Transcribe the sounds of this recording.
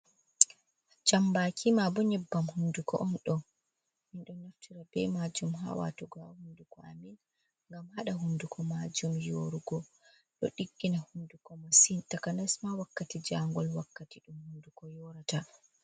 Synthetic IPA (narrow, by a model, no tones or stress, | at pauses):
d͡ʒambakʰimabɔɲɛbːamhundukɔ̰ʔɔnɗɔ | minɗɔnaftʰiɾabɛmad͡ʒumɦa̰wa̰tɔɡahundukɔa̰min | ŋɡamhaɗaɦundukʰɔmad͡ʒumjoɾuɡɔ | ɗɔ̰ɗiɡːinahundukɔmasintakanasmawakːatid͡ʒaŋɡɔlwakːatiɗumhundukɔjɔɾata